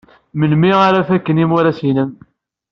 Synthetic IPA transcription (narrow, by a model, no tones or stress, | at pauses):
mənmiʁaɾafækːənimuɾæsinən